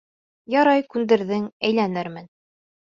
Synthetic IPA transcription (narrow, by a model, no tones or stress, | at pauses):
jɑɾɑjkʉnd̪ɘ̆ɾðɘŋæjlænɘɾmɘn